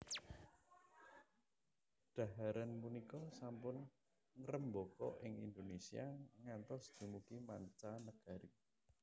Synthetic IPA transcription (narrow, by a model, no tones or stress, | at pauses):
ɖ̥a̤ɦaɾanpunikɔsampʊn | ŋɾəmbɔkɔ̰ʔɪŋḭnd̪onesiaŋant̪ɔsd̪̥i̤mukimaɲt͡ʃanəɡ̥a̤ɾi